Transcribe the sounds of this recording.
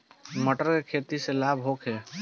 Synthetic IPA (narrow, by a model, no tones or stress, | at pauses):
məʈəɾkekʰet̪iselabɦokʰe